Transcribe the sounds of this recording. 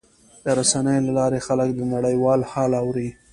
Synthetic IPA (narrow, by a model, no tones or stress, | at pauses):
d̪̥əɾasanəjolalɑɾexaləkd̪ənaɽəjwɑlhɑlɑwɾi